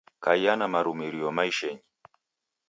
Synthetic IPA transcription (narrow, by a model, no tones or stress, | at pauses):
kaijanamaɾumiɾiɔmaiʃɛɲi